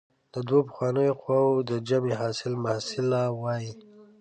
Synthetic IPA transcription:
d̪̥əd̪wopə̥xwɑnəjoxwɑwod̪əd͡ʒameɦɑsɪlmahsɪlawɑji

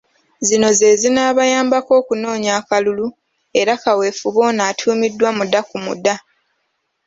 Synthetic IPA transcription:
zino̞ze̞ːzinaːβajaːmbako̞ːkuno̞ːɲakalulu | e̞ɾakawe̞ːfuβo̞ːnaːtʰuːmidːwamudakumṵda

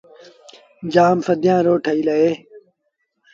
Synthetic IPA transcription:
d͡ʑaːmfɐd̪ijãːɾoːʈʰɐilɐeː

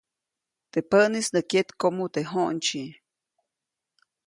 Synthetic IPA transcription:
t̪epəʔnisnəket̪komut̪eɦoʔnt͡ʃi

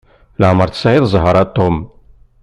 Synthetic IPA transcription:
ləʕməɾˤθə̥sʕɪðzˤɦəɾˤɑt̪ˤːom

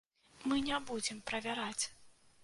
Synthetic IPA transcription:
mɨnʲabud͡zʲɛmpɾɐvʲaɾat͡sʲ

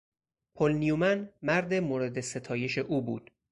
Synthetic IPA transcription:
pʰolnijumænmæɾd̪emoːɾe̞d̪ese̞t̪ʰɒːje̞ʃe̞ʔuːbuːd̪̥

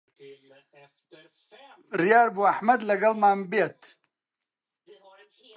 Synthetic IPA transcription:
ɾjaːɾbuaħmɐd̪lɐɡɐlmaːmbet̪

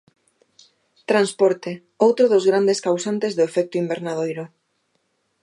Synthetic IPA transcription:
t̪ɾanspɔɾt̪e | owt̪ɾʊðozɣɾand̪eskawsant̪ezðoefɛk̚t̪oimbeɾnaðojɾʊ

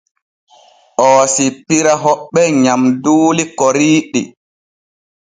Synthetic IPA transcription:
ʔɔːsipiɾaɦɔɓːɛɲamduːlikɔɾiːɗi

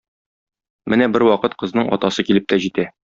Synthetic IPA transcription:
mɘnæbɘɾwɒqɤt̪qɤ̆znɤɴɒ̰t̪ɑsɤkilɘp̚t̪æʑit̪æ

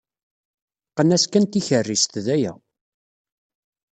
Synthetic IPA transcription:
qənæskænt̪içərːist̪ðæjæ̰

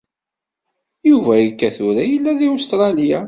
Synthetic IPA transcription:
juvæjəkːæθʊɾæjəlːæðiust̪ɾˤɑlija

